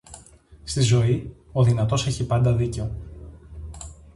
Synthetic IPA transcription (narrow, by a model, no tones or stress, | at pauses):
st̪izo̞ioðinɐt̪o̞se̞çipɐnd̪ɐðice̞o̞